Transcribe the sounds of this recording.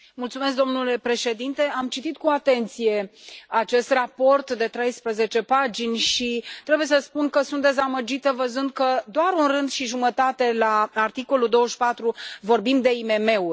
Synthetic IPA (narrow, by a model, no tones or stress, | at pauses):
mult̪sumeskd̪o̞mnule̞pɾe̞ʃe̞d̪int̪e̞amt͡ʃit̪it̪̚kuat̪e̞nt̪sije̞at͡ʃe̞st̪rapo̞rt̪d̪e̞t̪ɾe̞jspɾəze̞t͡ʃe̞pad͡ʒinʲʃit̪ɾe̞bujesəspunkəsunt̪̚d̪e̞zaməd͡ʒit̪əvəzɨnd̪̚kəd̪oaɾunrɨnd̪ʃiʒumət̪at̪e̞laart̪iko̞lud̪o̞wəʃpat̪ɾuvo̞rbimd̪e̞ime̞me̞u